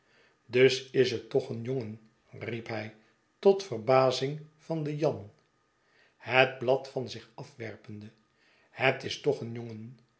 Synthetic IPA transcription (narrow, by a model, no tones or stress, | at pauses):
dɵsɪsətɔχənjoŋən | ripɦɛj | tɔtfərbaːzɪŋfɑndəjɑn | həd̚blɑtfɑnzɪχɑfʋɛɹpəndə | hətɪstɔχənjoŋən